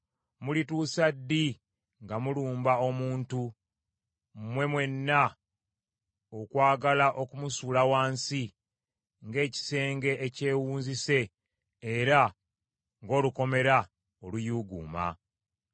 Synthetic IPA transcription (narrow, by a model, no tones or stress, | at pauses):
mulituːsadːi | ŋɡamuluːmbao̞muːntu | mwe̞mwe̞nːa | okwaːɡalaʔo̞kumusuːlawaːnsi | ŋɡe̞ːci̥se̞ːŋɡe̞ʔːce̞ːwuːnzise̞ː | ɾa | ŋɡo̞ːluko̞me̞ɾa | olujuɡṵːma̰